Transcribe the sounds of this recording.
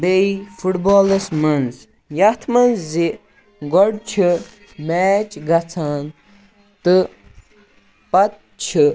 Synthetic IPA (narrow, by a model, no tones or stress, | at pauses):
beifuʈboːlɐsmɐnz | jɐt̪ʰmɐnzːi | ɡɔɽt͡ʃʰi | meːt͡ʃɡɐt͡sʰaːn | t̪ɨ | pɐt̪̚ | t͡ʃʰi